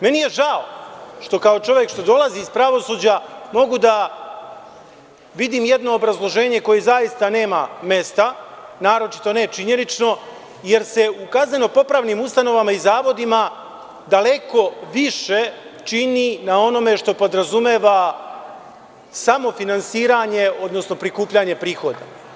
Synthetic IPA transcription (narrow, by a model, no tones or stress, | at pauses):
me̞nije̞ʒaoʃt̪o̞kao̞t͡ʃo̞ʋjekʃt̪o̞d̪o̞lˠaziːspɾaʋo̞suːd͡ʑamo̞ɡud̪a | ʋid̪imje̞d̪no̞ːbɾazlˠo̞ʒe̞ːɲe̞ko̞jezajist̪ane̞ːmame̞st̪anaːɾo̞t͡ʃi̥t̪o̞ne̞t͡ʃiɲe̞nit͡ʃno̞ | je̞ɾse̞ukazne̞no̞po̞pɾaːʋnimust̪ano̞ʋamaizaːʋo̞d̪ima | d̪ale̞ko̞ʋiʃe̞t͡ʃininao̞no̞me̞ʃt̪o̞po̞d̪ɾazumeːʋa | samo̞finansiːɾaɲe̞o̞d̪no̞sno̞pɾikuːpʎaɲe̞pɾiːxo̞d̪a